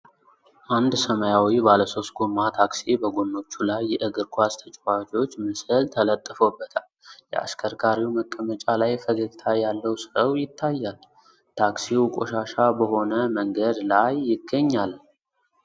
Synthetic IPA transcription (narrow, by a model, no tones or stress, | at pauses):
ʔand̪səməjawibaləso̞st̪̚ɡomːat̪ʰaksibəɡonːo̞t͡ʃːulajːɛʔɨɡɨɾkʰʷast̪ʰət͡ʃʼwat͡ʃo̞t͡ʃːmɨsɨlt̪ʰələt̪ʼːəfəbːət̪ʰaljɛ̰ʔa̰skʰəɾkaɾiwməkʼːəmət͡ʃʼalajfəɡəɡt̪ʰajalːəwsəwjɪt̪ʰːajːal | t̪ʰaksiwkʼo̞̰ʃaʃabəho̞nəməŋɡəd̪lajːɪɡːəɲːal